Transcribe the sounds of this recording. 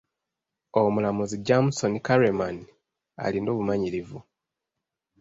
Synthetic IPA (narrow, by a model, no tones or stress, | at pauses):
omulamuziɟamuso̞nikaɾeman | a̰lino̞ːβumaɲiɾivu